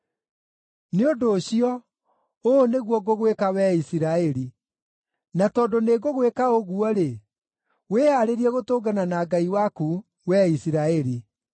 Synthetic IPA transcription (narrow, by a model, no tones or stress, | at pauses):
neodoːɕiɔ | oːneɣwɔɡoɣwekawɛisiɾaɛɾi | natɔdoneɡoɣwekaoɣuɔɾe | weːhaɾeɾiɛɣotoːɡananaːɡaiwaku | wɛisiɾaɛɾi